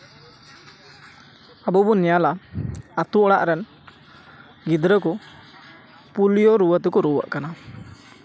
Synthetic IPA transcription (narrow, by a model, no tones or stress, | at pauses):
abɔbunɛjalaat̪uɔɽa̰ʔɾɛn | ɡid̪ɾəkɔ | pulijɔɾuwət̪ɛkɔɾuwə̰ʔkana